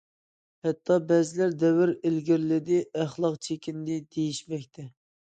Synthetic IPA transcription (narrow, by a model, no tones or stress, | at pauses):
hɛt̪ʰːɑbɛzɪlæɾd̪ɛwɪɾelɡʲɪɾlɪd̪ɪæχlˠɑqt͡ʃʰekʲind̪ɪd̪̥ejiʃmɛkʲt̪ʰɛ